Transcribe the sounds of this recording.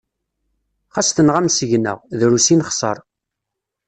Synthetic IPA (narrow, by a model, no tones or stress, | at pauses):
χast̪ənʁæmsəʝnə̰ʁðɾusinχsˤə̰ɾˤ